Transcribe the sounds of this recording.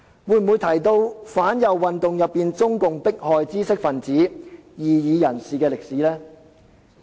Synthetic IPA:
wuː˧jm̩˨uː˨˧jt̪ʰɐ˨˩jt̪o˧wfaː˨˥njɐ˨wːɐ˨nt̪ʊ˨ŋjɐ˨pːiː˨nt͡sʊ˥ŋkʊ˨ŋpɪ˥k̚hɔː˨jt͡siː˥sɪ˥k̚fɐ˨˩nt͡siː˨˥jiː˨jiː˨˧jɐ˨˩nsiː˨kɛː˧lɪ˨k̚siː˨˥lɛː˥

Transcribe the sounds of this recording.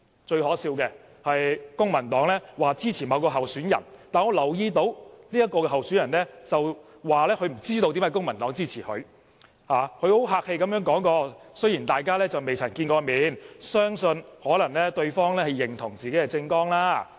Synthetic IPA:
t͡ʃɵ˧ɥhɔː˨˥siː˧wkɛ˧ | hɐ˨jkʊ˥ŋmɐ˨˩nt̪ɔː˨˥ŋlɛː˥waː˨t͡siː˥t͡sʰiː˨˩mɐ˨˧wkɔː˧ɦɐ˨wsyː˨˥njɐ˨˩nt̪aː˨nŋɔː˧lɐ˨˩wjiː˧t̪o˧˥wnliː˥jɐ˥kːɔː˧kɛ˧ɦɐ˨wsyː˨˥njɐ˨˩nlɛː˥t͡sɐ˨w | waː˨lɛː˥kʰɵ˧ɥm̩˨˩t͡siː˥t̪o˧wt̪i˨˥mhɐ˨˩kʊ˥ŋmɐ˨˩nt̪ɔː˨˥ŋt͡siː˥t͡sʰiː˨˩hɵ̰˨˧ɥ | haː˨kʰɵ˧ho˨˥wɦaː˧k̚he˧jkɐ˨˥mjœː˥ŋkɔː˨˥ŋkɔː˧sɵ˥ɥjiː˨˩nt̪aː˨jkaː˥lɛː˥t͡sɐ˨wme˨jt͡sʰɐ˨˩nkiː˧nkɔː˧miː˨˥nsœː˥ŋsɵ˧nhɔː˨˥lɐ˨˩ŋlɛː˥t̪ɵ˧ɥfɔː˥ŋlɛː˥hɐ˨˩jːɪ˨˩ŋt̪ʰʊ˨˩ŋt͡siː˨ke˨˥kɛ˧t͡sɪ˧ŋkɔː˥ŋlaː˥

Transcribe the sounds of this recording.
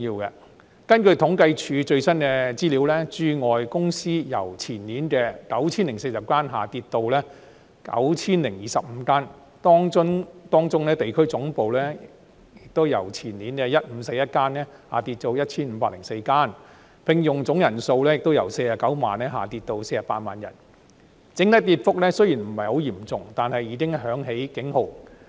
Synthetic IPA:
jiː˧wkɛ̰˧ | kɐ˥nkɵ˧ɥt̪ʰʊ˨˥ŋkɐ˧jt͡ʃʰyː˨˧t͡ʃɵ˧ɥsɐ˥nkɛː˧t͡siː˥liː˨˥wlɛː˥t͡ʃyː˧ŋɔː˨jkʊ˥ŋsiː˥jɐ˨˩wt͡sʰiː˨˩nliː˨˥nkɛː˧kɐ˨˥wt͡sʰiː˥nlɪ˨˩ŋse˧jsɐ˨p̚kaː˥nɦaː˨t̪iː˧t̚t̪ːo˧wlɛː˥ | kɐ̰˨˥wt͡sʰiː˥nlɪ˨˩ŋjiː˨sɐ˨p̚m̩ː˨˧˦kaː˥n | t̪ɔː˥ŋʊ˥ŋt̪ɔː˥ŋt͡sʊ˥ŋlɛː˥t̪e˨jkʰɵ˥ɥt͡sʊ˨˥ŋpo˨˧wlɛː˥ | jɪ˨k̚t̪o˥wjɐ˨˩wt͡sʰiː˨˩nliː˨˥nkɛ˧jɐ˥t̚m̩˨˧˥se˧jɐ˥t̚kaː˥nɛː˥haː˨˩t̪iː˧t̚t̪o˧wjɐ˥t̚t͡sʰiː˥nm̩˧paː˧˥lɪ˨˩ŋse˧jkaː˥n | pɪ˨˧ŋjʊ˨˩ŋt͡sʊ˨˥ŋjɐ˨˩nso˧wlɛː˥jɪ˨k̚t̪o˥wjɐ̰˨˩wse˧jaː˨˩kɐ˨˥wma̰ː˨nɛː˥ɦa̰ː˨˩t̪iː˧t̪̚o˧wse˧jsaː˨paː˧t̚maː˨njɐ̰˨˩n | t͡sɪ˨˥ŋt̪ɐ˥k̚t̪iː˧t̚fʊ˥k̚lɛː˥sɵ˥jiː˨˩nm̩˨˩hɐ˨jho˨˥wjiː˨˩mt͡sʊ˨ŋt̪aː˨nhɐ˨jiː˨˧kɪ˥ŋɦœː˨˥ŋɦe˨˥jkɪ˨˥ŋho˨˩w

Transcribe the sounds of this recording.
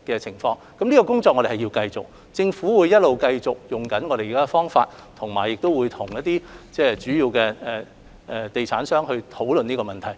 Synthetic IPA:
kɛː˧t͡sʰɪ˨˩ŋfɔː˧ŋkɐ˨˥mniː˥kɔː˧k̬ʊ˥ŋt͡sɔ˨˧k̚ŋɔ˨˧ɾe˨hɐ˨jiː˧wkɐ˧jt͡sʊ˨k̚ | t͡sɪ˧ŋfuː˨˥wuː˨˧jɐ˥t̚lo˨wkɐ˧jt͡sʊ˨k̚jʊ˨˩ŋkɐ˨˥nŋɔː˨˧ɾe˨jiː˨kaː˥˧fɔː˥ŋfa̰ː˧t̚ | t̪ʰʊ˨˩ŋmaː˨˩jːɪ˨k̚t̪o˥wuː˨˧jt̪ʰʊ˨˩ŋjɐ˥t̚t̪iː˥t͡sɛː˥˩t͡ʃyː˨˥jiː˧wkɛː˧ɛ˨ | ʔɛ˨t̪e˨jt͡sʰaː˨˥nsœː˥ŋɦɵ˧ɥt̪ʰo˨˥wlɵ˨niː˥kɔː˧mɐ˨nt̪ʰɐ˨˩j

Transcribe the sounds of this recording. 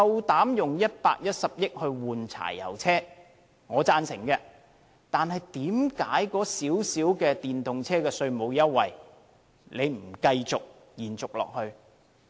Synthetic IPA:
ɐ˧wt̪aː˨˥mjʊ˨ŋjɐ˥t̚paː˧k̚jɐ˥t̚sɐ˨p̚jɪ˥k̚hɵ˧ɥwuː˨˩nt͡sʰa̰ː˨˩jjɐ̰˨˩wt͡sʰɛː˥ | ŋɔː˨˧t͡saː˧nsɪ˨˩ŋkɛː˧ | t̪aː˨nɦɐ˨jt̪iː˨˥mkaː˨˥jkɔː˨˧˥siː˨˥wsiː˨˥wkɛː˧t̪iː˨nt̪ʊ˨ŋt͡sʰɛː˥kɛː˧sɵ˧ɥmo˨˧wjɐ˥t̚wɐ̰˨j | le˨˧jm̩˨˩kɐ˧jt͡sʊ˨k̚ | jiː˨˩nt͡sʊ˨k̚lɔ̰ː˨k̚hɵ˧ɥ

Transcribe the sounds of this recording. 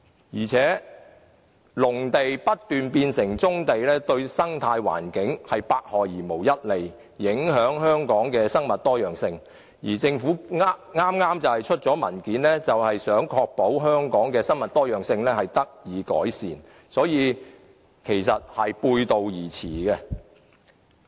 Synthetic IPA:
jiː˨˩t͡sʰɛː˨˥ | lʊ˨˩ŋt̪e˨jpɐ˥t̚t̪yː˨npiː˧nsɪ˨˩ŋt͡sʊ˥ŋt̪e˨jlɛː˥t̪ɵ˧ɥsɐ˥ŋt̪ʰaː˧jwa̰ː˨˩nkɪ˨˥ŋhɐ˨jpaː˧k̚hɔː˨jjiː˨˩mo˨˩wjɐ˥t̚le˨˩jː | ɪ˨˥ŋɦœː˨˥ŋhœː˥ŋkɔː˨˥ŋkɛː˧sɐ˥ŋmɐ˨t̚t̪ɔː˥jœː˨ŋsɪ˧ŋ | jiː˨˩t͡sɪ˧ŋfuː˨˥ŋŋaː˥mŋaː˥mt͡sɐ˨whɐ˨jt͡ʃʰɵ˥t̚t͡sɔː˨˥mɐ̰˨˩nkiː˨˥nlɛː˥t͡sɐ˨whɐ˨jsœː˨˥ŋkʰɔː˧k̚po˨˥wɦœː˥ŋkɔː˨˥ŋkɛː˧sɐ˥ŋmɐ˨t̚t̪ɔː˥jœː˨ŋsɪ˧ŋlɛː˥hɐ˨jt̪ɐ˥k̚jiː˨˧˥kɔ̰ː˨˥jsiː˨n | sɔː˨˥jiː˨˧ | kʰe˨˩jsɐ˨t̚hɐ˨jpuː˧jt̪o˨wjiː˨˩t͡sʰiː˨˩ɡɛ˧

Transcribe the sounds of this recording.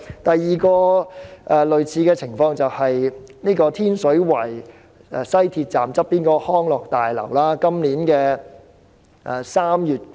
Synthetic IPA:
t̪ɐ˨jːiː˨kɔː˧ʔɛː˧lɵ˨ɥt͡sʰiː˨˧kɛː˧t͡sʰɪ˨˩ŋfɔː˧ŋt͡sɐ˨whɐ˨jniː˥kɔː˧t̪ʰiː˥nsɵ˨˥ɥwɐ˨˩j | ɛː˧sɐ˥jt̪ʰiː˧t̚t͡saː˨mt͡sɐ˥p̚ːiː˥nkɔː˧hɔː˥ŋlɔː˨k̚t̪aː˨jlɐ̰˨˩wlaː˥kɐ˥mniː˨˥nkɛː˧ | ʔɛ˨˧saː˥mjyː˨t̚

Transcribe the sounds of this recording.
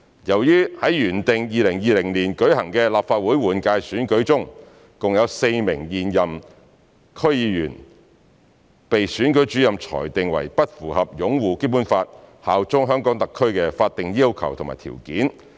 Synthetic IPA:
jɐ˨˩wjyː˥hɐ˨˥jjyː˨˩nt̪ɪ˨ŋjiː˨˧lɪ˨˩ŋjiː˧lɪ˨˩ŋliː˨˩nkɵ˨˥ɥhɐ˨˩ŋkɛ˧laː˨pfaː˧t̚wuː˨˥jwuː˨˩nkaː˧jsyː˨˥nkɵ˨˥ɥt͡sʊ˥ŋ | kʊ˨ŋjɐ˨˧wse˧jmɪ˨˩ŋjiː˨njɐ˨m | kʰɵ˥ɥjiː˨˧jyː˨˩n | pe˨jsyː˨˥nkɵ˨˥ɥt͡ʃy˨˥jɐ˨mt͡ʃʰɔ̰ː˨˩jt̪ɪ˨ŋwɐ̰˨˩jpɐ˥t̚fuː˨˩hɐ˨p̚jʊ˨˥ŋwuː˨˩ke˥p̬uː˨˥nfaː˧t̚haː˨wt͡sʊ˥ŋɦœː˥ŋkɔː˨˥ŋt̪ɐ˨kʰːɵ˥ɥkɛ˧faː˧t̚t̪ɪ˨ŋjiː˥wkʰɐ̰˨˩wt̪ʰma̰ː˨˩t̪ʰḭ˨˩wkiː˨˥n

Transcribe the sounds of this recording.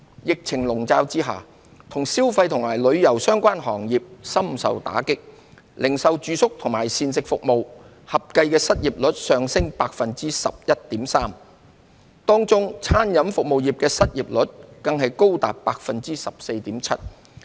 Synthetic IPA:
jɪ˨k̚t͡sʰɪ˨˩ŋlʊ˨˩ŋt͡saː˧wt͡siː˥ɦa̰ː˨˩ | t̪ʰʊ˨˩ŋsiː˥wfɐ˧jt̪ʰʊ˨˩ŋmaː˨˩jlɵ˨˧ɥjɐ˨˩wsœː˥ŋkʷaː˥nɦɔ̰ː˨˩ŋjiː˨p̚sɐ˥msɐ̰˨wt̪a̰ː˨˥kɪ˥k̚ | lɪ˨˩ŋsɐ˨wt͡ʃyː˨˧sʊ˥k̚t̪ʰʊ˨˩ŋmaː˨˩jsiː˧nsɪ˨k̚fʊ˨k̚mo˨w | hɐ˨p̚kɐ˧jkɛː˧sɐ˥t̚jiː˨p̚lɵ˨˥t̚sœː˨ŋsɪ˥ŋpaː˧k̚fɐ˨nt͡siː˥sɐ̰˨p̚jɐ˥t̚t̪iː˨˥msaː˥m | t̪ɔː˥ŋt͡sʊ˥ŋt͡sʰaː˥njɐ˨˥mfʊ˨k̚mo˨wjiː˨p̚kɛː˧sɐ˥t̚jiː˨p̚lɵ˨˥t̚kɐ˨˧ŋɦɐ˨jko˥wt̪a̰ː˨˩p̚paː˧k̚fɐ˨nt͡siː˥sɐ˨p̚se˧jt̪iː˨˥mt͡sʰɐ˥t̚

